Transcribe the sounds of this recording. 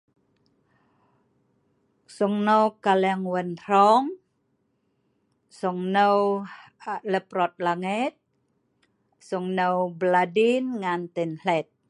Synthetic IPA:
sɔŋnəwkalɛŋwənɾɔŋ | sɔŋnəw | ləpɾɔt̪̚laŋit̪̚ | sɔŋnəwbladinŋant̪ɛnlɛt̪̚

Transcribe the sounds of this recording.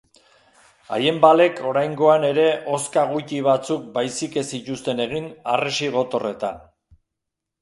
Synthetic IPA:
a̰je̞mbale̞kʰo̞ɾajŋɡo̞ane̞ɾe̞ʔo̞skaɣ̞ut̪iβat͡suk̚bajsike̞sicust̪e̞ne̞ɣ̞ina̰reʃiɣ̞o̞t̪o̞re̞t̪a

